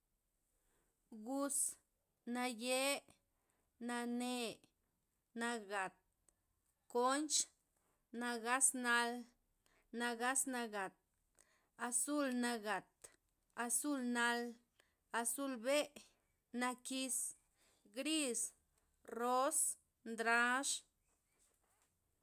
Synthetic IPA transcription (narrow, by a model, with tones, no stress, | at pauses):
ɡu˧s | na˧je˦ | na˧ne˧ | na˧ɡa˨t̪̚ | ko˦nt͡ʃ | na˧ɡa˦sna˧l | na˧ɡa˦sna˧ɡa˨t̪̚ | a˧su˦lna˧ɡa˨t̪ | a˧su˦lna˧l | a˧su˧lbe˦ʔ | na˧ki˧s | ɡɾi˦s | ro˦s | nd̪ɾa˧˦ʂ